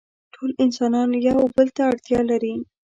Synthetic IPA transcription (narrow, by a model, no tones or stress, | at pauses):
ʈʰolɪnsɑnɑnjawbəlt̪aːɽt̪jɑlaɾi